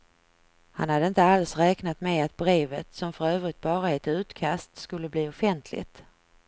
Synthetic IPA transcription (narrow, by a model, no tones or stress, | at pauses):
hanhad̪ːəɪnt̪əalsɾɛːknat̪mɛat̪̚bɾeːvət̪sɔmfœɾøːvɾɪt̪̚bɑːɾaɛt̪ʉ̟ːt̪kʰast̪skɵlːəbliːʊfɛnt̪ʰlɪ̰t̪